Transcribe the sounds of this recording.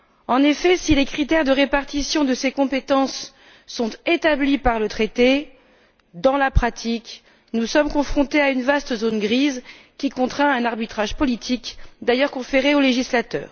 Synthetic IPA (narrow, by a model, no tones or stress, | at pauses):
ɑ̃nefɛsilekχit̪ɛʁd̪əʁepaʁt̪isjɔ̃d̪əsekɔ̃pet̪ɑ̃sː | ɔ̃t̪et̪ablipaʁlət̪χet̪e | d̪ɑ̃lapχat̪ʰik | nusɔmkɔ̃fχɔ̃t̪eaynvast̪əzonɡʁiz | kʲikɔ̃t̪χɛ̃ɛ̃naʁbit̪χaʒpɔlit̪ʰikd̪ajœʁkɔ̃feʁeoleʒislat̪œ̰ːʁ